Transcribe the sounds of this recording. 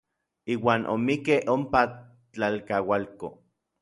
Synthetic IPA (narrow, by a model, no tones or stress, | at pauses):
iːwaːnʔo̰mikehʔompa | t͡ɬalkawalko̰